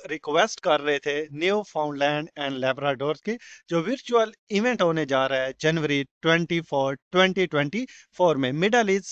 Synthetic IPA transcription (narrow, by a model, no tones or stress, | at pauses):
ɾɪkʋeːsʈkɐɾːɐɦet̪ʰeniopʰaːʊ̃ɳɖlɛ̃ːɳɖɛ̃ːɳɖlɛːbɾaːɖoːɾsked͡ʒoːʋɪɾt͡ʃuəlɪʋɛ̃ɳʈɦõːned͡ʒaːɾaɦɛd͡ʒɐnʋəɾiʈwɛ̃ɳʈipʰoːɾʈwɛ̃ɳʈiʈwɛ̃ɳʈifʰoːɾmẽmɪɖaːlis